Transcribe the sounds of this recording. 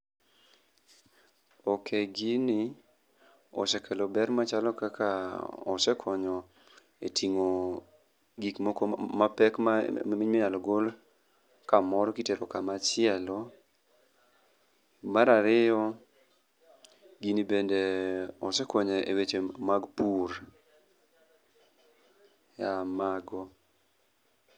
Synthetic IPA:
ɔkʰeɡini | ɔ̰sɛkʰɛlɔbɛɾmat͡ʃalɔkakʰaɔsɛkʰɔɲɔ | etʰiŋo | ɡikmɔkɔmapɛkmmɪɲmɪɲalɔɡol | kamɔɾɔkiteɾɔkamat͡ʃɪɛlɔ | maɾaɾɪjɔ | ɡinibendeɔsɛkɔɲeewet͡ʃemaɡpuɾ | jamaɡɔ

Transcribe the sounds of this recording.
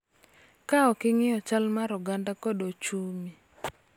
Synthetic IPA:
kaɔkɪŋɪɔt͡ʃalmaɾɔɡandakɔdot͡ʃumi

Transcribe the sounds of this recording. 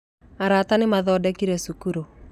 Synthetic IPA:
aɾatanɪmaðɔːdɛkiɾɛsukuɾo

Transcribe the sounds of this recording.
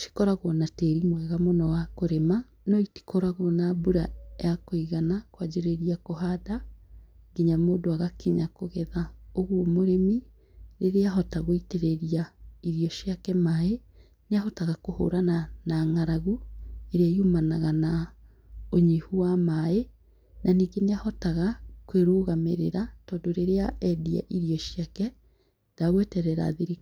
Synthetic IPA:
ʃi̥kɔɾaɣonateɾimwɛɣamonɔwakoɾema | nɔiti̥kɔɾaɣonabuɾajakoiɣanakwad͡ʑeɾeɾiakoɦada | ɡeɲamoːdoaɣakiɲakoɣɛðaoɣwomoɾemi | ɾeɾeaɦɔtaɣoiteɾeɾiaiɾiɔʃiakɛmae | neaɦɔtaɣakoho̰ːɾananaŋaɾaɣueɾeaiumanaɣana | oɲihuwamae | nʔaniːɡeneahɔtaɣakweɾoːɣameɾeɾatɔːndoɾeɾeaʔɛdia̰ʔiɾiɔʃjakɛ | d̥aɣwetɛɾɛɾa̰ðiɾi

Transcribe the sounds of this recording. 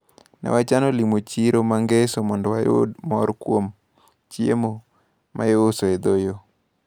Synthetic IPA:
nɛ̰wat͡ʃanolimot͡ʃiɾomaŋɡesomɔndɔwajo̰dmɔɾkwom | t͡ʃjemo | ma̰joosoed̪ojo

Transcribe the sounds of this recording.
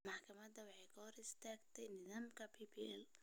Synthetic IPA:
mɑħkʰɐmɐd̪ɐwɑħɑjkʰɐhɔɾɪst̪ʰaːɡt̪ʰɛjnɪðaːmkʰɐpʰipʰiɛl

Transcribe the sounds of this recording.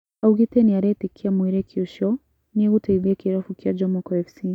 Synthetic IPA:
auɣitɛniaɾɛtikʰiamuiɾɛkʰiuʃɔ | niɛɣutaiðiakiɾafukiad͡ʒɔmɔkɔɛfsi

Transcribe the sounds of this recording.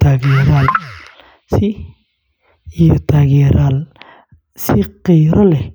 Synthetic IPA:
t̪ʰaːɣjɛɾaːl | sɪ | jɔt̪ʰaːɣɛːɾaːl | sɪqɛjɾɔlɛ

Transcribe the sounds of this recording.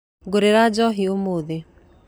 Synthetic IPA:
ɡoɾeɾad͡ʒɔɦiomoðe

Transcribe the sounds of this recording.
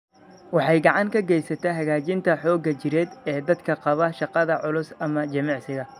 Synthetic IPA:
wɑħɑjɡɑʕɑŋkʰɐɡɛjsɐt̪ʰɛɦɐɣaːt͡ʃɪnt̪ʰɐħɔːɡɐt͡ʃɪɾɛːd̪ɛːd̪ɐd̪kʰɐqɑβɐʃɑqɑðɐʕʊlʊsɐmɐt͡ʃɐmɑʕsɪɣɐ

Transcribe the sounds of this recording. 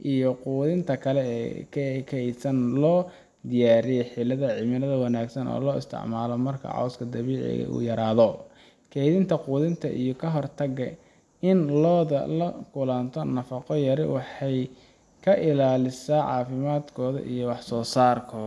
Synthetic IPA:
ʔijɔquːðɪnt̪ʰɐkʰɐlɛɛːkʰːkʰɛjsɐnlɔː | d̪ɪjaːɾɪjɛjħɪlɐðɐʕɪmɪlɐðɐwɑnaːɡsɐnɔ̰ːlɔːɪst̪ʰɪ̰ʕmaːlɔmɐrkʰɐ̰ʕɑ̰wskʰɐd̪ɐβiːʕɪ̰ɣɐ̰ʔṵːjɐɾaːðɔ | kʰɛjðɪnt̪ʰɐquːðɪnt̪ʰɐ̰ʔijɔkʰɐɦɔrt̪ʰɐɣːɐ | ɪnlɔːðɐ̰lɐkʰʊlɐnt̪ʰɔnɐfɑqɔjɐɾɪwɑħɑj | kʰɐʔɪlaːlɪsaːʕɑ̰ːfɪmaːd̪kʰɔːðɐ̰ʔijɔwɑħsɔːsaːrkʰɔː

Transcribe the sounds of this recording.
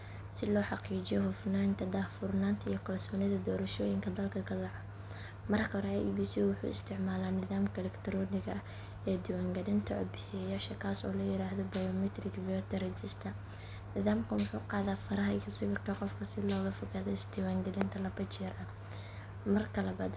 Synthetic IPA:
sɪlɔːħɑqiːd͡ʒɪjɔhʊfnaːnt̪ʰɐd̪aːfʊrnaːnt̪ʰɐijɔkʰɐlsɔːnɪðɐd̪ɔːɾɐʃɔːjɪŋkʰɐd̪ɐlkʰɐkʰɐd̪ɐʕɔ | mɐrkʰɐɦɔɾɛabiːsiwʊħṵːɪst̪ʰɪʕmaːlaːnɪðaːmkʰɐlɛkt̪ʰɾɔːnɪɣɐ | ɛːd̪ɪwaːŋɡɐlɪnt̪ʰɐʔɔ̰d̪̚bɪħɪjaːʃɐkʰaːsɔ̰ːlɐjɪɾaːhðɔbɐjɔmɛt̪ʰrɪkvɔt̪ʰɐɾɛt͡ʃɪst̪ʰɐ | nɪðaːmkʰɐwʊħuːqɑːðaːfɐɾɐɦɐijɔsɪβɪrkʰɐqɔfkʰɐsɪlɔːɣɐfʊɣaːðɛɪsd̪ɪwaːŋɡɐlɪnt̪ʰɐlɐbɐt͡ʃɪɾʔɐ | mɐrkʰɐlɐbɐd̪

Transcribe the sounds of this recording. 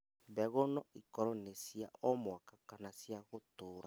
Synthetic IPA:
βɛɣonɔikɔɾɔnesiaʔɔmwakakanasjaɣotoːɾa

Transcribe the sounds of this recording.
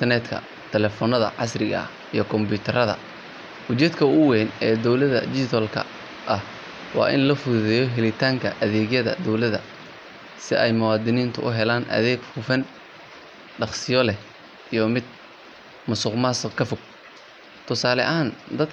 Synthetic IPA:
nt̪ʰɛrnɛt̪kʰɐ̰ | t̪ʰɛlɛfɔːnɐðɐ̰ʕɑ̰srɪɣɐ̰ | ijɞkʰɔmbuːt̪ʰɐɾɐðɐ̰ | wʊt͡ʃɛːd̪kʰɐʊwɛːnɛːd̪ɔwlɐðɐ̰d͡ʒɪt̪ʰɔlkʰɐ̰ | ʔɐh | wɑ̰ːʔɪ̰nlɐfʊðɛjɔɦɛlɪt̪ʰaːŋkʰɐ̰ʔɐðɛːɡjɐðɐ̰d̪ɔwlɐðɐ̰ | sɪʔɛjmʊwɑːd̪ɪniːnt̪ʰʊʔʊɦɛlaːnʔɐ̰ðɛːɡfʊfɐn | ɖɑχsɪjɔlɛh | ijɞmɪd̪̚ | mɐsʊːqmaːskʰɐfʊɡ̚ | t̪ʰʊsaːlɛ̰ʔaːnd̪ɐd̪

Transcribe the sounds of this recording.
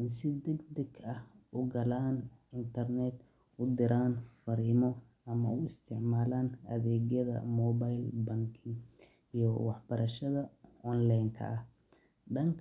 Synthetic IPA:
ɪnsɪd̪ɐɡd̪ɛɡɐhʊɡɐlaːnɪnt̪ʰɐrnɛd̪ | ʊd̪ɪɾaːnfɐɾiːmɔ | ʔɐmɐʊɪst̪ʰɪʕmaːlaːnɐðɛːɣjɐðɐ̰mɔːβajlbɐŋkʰɪŋ | ijɔwɑħb̥ɐɾɐʃɐðɐɔnlajŋkʰɐ̰ʔɐh | ɖɐŋkʰ

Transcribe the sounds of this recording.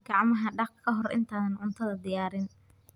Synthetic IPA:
ɡ̥ɑʕmɐɦɐɖɑq̚kʰɐɦɔrɪ̰nt̪ʰaːðɐnʕʊnt̪ʰɐðɐd̪ɪjaːɾɪn

